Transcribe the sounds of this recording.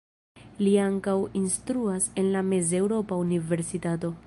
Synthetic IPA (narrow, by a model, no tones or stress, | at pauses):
liaŋkawinstɾuase̞nlame̞ze̞wɾo̞paunive̞ɾsitato̞